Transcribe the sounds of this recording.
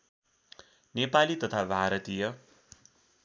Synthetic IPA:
nepalit̪ʌt̪ʰabʱaɾʌt̪ijʌ

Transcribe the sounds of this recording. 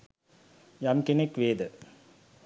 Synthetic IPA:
jɐmkinekʋeːd̪ə

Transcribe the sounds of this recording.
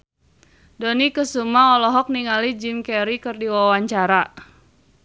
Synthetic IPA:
dɔnikəsumaɔlɔɦɔk̚niŋalid͡ʒimkɛɾikɨrdiwawaɲt͡ʃaɾa

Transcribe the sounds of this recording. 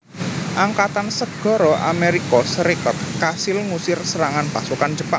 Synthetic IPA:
ʔaŋkat̪ansəɡ̥ɔ̤ɾɔʔa̰meɾikɔsəɾikɔt̪̚kasɪlŋusɪrsəɾaŋanpasukand͡ʒəpaŋ

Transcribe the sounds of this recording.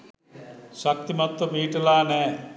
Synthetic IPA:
ʃɐk̚t̪imɐt̪ːɐbʱiːʈɐlaːne

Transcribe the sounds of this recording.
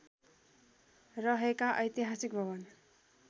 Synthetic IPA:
rʌɦekaʔʌjt̪iɦasik̚bʱʌβʌn

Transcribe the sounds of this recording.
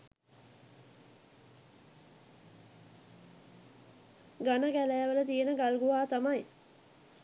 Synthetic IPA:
ɡanəɡælæːʋələt̪ijenəɡalɡuʋaːt̪amaj

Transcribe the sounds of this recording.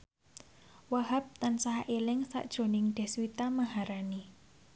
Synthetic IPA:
waɦap̚t̪ansaɦaʔelɪŋsa̰ʔd̥ʒ̥o̤nɪŋɖ̪̥ɛ̤swit̪amahaɾani

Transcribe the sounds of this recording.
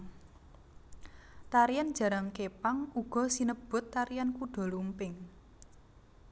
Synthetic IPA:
t̪aɾijand̥ʒ̥ä̤ɾaŋkepaŋuɡ̥ɔ̤sinəb̥ʊ̤t̪ːaɾijankuɖ̥ɔ̤lumpɪŋ

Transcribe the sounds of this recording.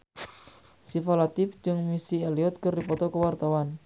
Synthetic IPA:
sifalat̪ifd͡ʒɨŋmisieliɔt̪̚kərdipɔt̪ɔkəwart̪awan

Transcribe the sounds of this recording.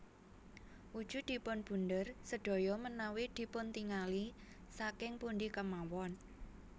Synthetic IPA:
ʔud̥ʒ̥ṳd̪̥i̤pʊnb̥ṳnd̪ərsəɖ̥o̤jɔmənawid̪̥i̤pʊnt̪iŋali | sakɪŋpunɖikəmawɔn

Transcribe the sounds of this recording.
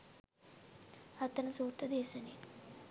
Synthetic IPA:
ɐt̪ɐnɐsuːɾt̪ɐd̪ɛːʃɐni

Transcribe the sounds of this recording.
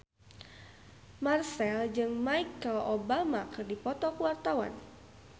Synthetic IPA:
marsɛld͡ʒɨŋmajkːəlobamakɨrdipɔt̪ɔkəwart̪awa̰n

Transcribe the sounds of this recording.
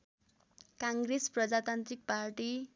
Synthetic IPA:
kãŋɡɾesprʌd͡zat̪ant̪ɾik̚paɾʈi

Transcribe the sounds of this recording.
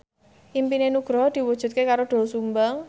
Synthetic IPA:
ʔimpinenuɡ̥ɾɔd̪̥i̤wud̥ʒ̥ṳt̪̚kekaɾoɖ̪̥o̤lsumbəŋ

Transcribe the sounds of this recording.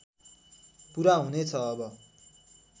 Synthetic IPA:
puɾaɦunet͡sʰʌːbʌ

